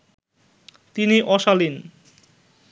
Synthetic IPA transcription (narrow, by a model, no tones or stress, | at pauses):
t̪iniʔɔʃalin